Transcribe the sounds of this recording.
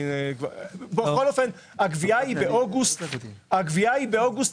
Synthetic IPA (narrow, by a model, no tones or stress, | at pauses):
nkvabexolofen | aɡviaibeʔoɡust̪aɡviaibeoɡust̪